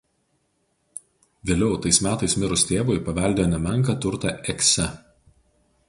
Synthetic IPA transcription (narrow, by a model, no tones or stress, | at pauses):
ʋʲeːlʲɛʊt̪ɐɪsmʲæːt̪ɐɪsmʲɪɾʊsʲt̪ʲeːʋoːɪpɐʋʲɛˑlʲd̪ʲeːjoːnʲɛmʲɛŋˑk̬ɐt̪ʊɾt̪ɐʔɛksʲɛ